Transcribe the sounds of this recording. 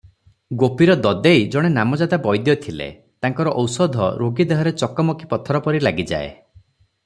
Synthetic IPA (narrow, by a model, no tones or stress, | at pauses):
ɡopiɾɔd̪ɔd̪ejd͡ʒɔɽ̃enamɔd͡ʒad̪abɔjd̪jɔt̪ʰilḛ | t̪aŋkɔɾɔʔɔwsɔd̪ʱɔ̰ɾoɡid̪eɦɔɾet͡ʃɔkɔmɔkʰipɔt̪ʰɔɾɔpɔɾilaɡid͡ʒa̰ḛ